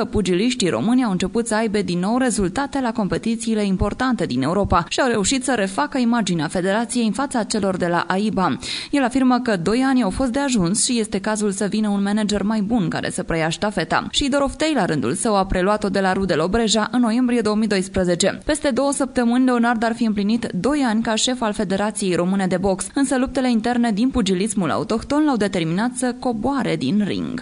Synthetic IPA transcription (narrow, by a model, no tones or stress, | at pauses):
kəpud͡ʒiliʃt̪iɾo̞̰mɨnʲiawɨnt͡ʃe̞put̪səajbe̞d̪inːo̞wɾe̞zult̪at̪e̞lako̞mpe̞t̪it̪siːle̞impo̞rt̪ant̪e̞d̪ine̞uɾo̞paʃiawɾe̞uʃit̪səɾe̞fakəimad͡ʒineafe̞d̪e̞ɾat̪sije̞jɨnfat̪sat͡ʃe̞lo̞rd̪e̞la̰ʔaibaje̞lafirməkəd̪o̞janʲawfo̞st̪̚d̪e̞aʒunsʃije̞st̪e̞kazulsəvinəunmened͡ʒe̞rmajbunka̰ɾḛsəpɾəjaʃt̪afe̞t̪a̰ʃid̪o̞ɾo̞ft̪ejlaɾɨnd̪ṵlsəwapɾe̞luat̪o̞d̪e̞laɾud̪e̞lo̞bɾe̞ʒaʔɨnːo̞je̞mbɾije̞d̪o̞wəmijd̪o̞jspɾəze̞t͡ʃe̞̰pe̞st̪e̞d̪o̞wəsəp̚t̪əmɨnʲle̞onard̪arfiɨmplinit̪d̪o̞janʲkaʃe̞falfe̞d̪e̞ɾat̪sije̞jɾo̞mɨne̞d̪e̞bo̞ksɨnsəlup̚t̪e̞le̞int̪e̞rne̞d̪inpud͡ʒilismula̰ut̪o̞kt̪o̞nlawd̪e̞t̪e̞rminat̪səko̞boaɾe̞d̪inrḭŋɡ